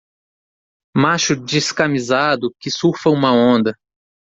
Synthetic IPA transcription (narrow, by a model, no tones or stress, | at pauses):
maʃʊd͡ʒɪskamizad̪ʊkɪsuɾfɐũmɐõnd̪ɐ